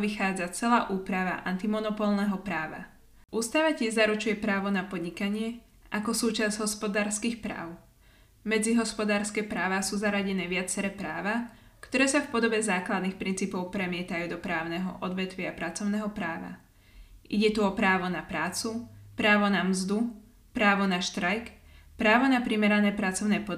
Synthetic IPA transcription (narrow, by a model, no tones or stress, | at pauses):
ʋixaːd͡zat͡sɛlaːʔuːpɾaʋa̰ʔa̰nt̪imɔnɔpɔlnɛɦɔpɾaːʋa̰ | ʔuːst̪aʋacɪɛʒzaɾut͡ʃujɛpɾaːʋɔnapɔd̪ɲikaɲɪɛ | ʔakɔsuːt͡ʃazɟɦɔspɔd̪aːɾskiːxpɾa̰ːʊ | mɛd͡ziɦɔspɔd̪aːɾskɛːpɾaːʋaːsuːzaɾaɟɛnɛːʋɪat͡sɛɾɛːpɾaːʋakt̪ɔɾɛːsafpɔd̪ɔbɛzaːklad̪nixpɾint͡siːpɔʊpɾɛmɪɛt̪ajuːd̪ɔpɾaːʊnɛɦɔ̰ʔɔd̪ʋɛt̪ʋɪaapɾat͡sɔʊnɛɦɔpɾaːʋa̰ | ʔiɟɛt̪uɔpɾaːʋɔnapɾaːt͡supɾaːʋɔnamzd̪u | pɾaːʋɔnaʃt̪ɾajkpɾaːʋɔnapɾimɛɾanɛːpɾat͡sɔʊnɛːpɔ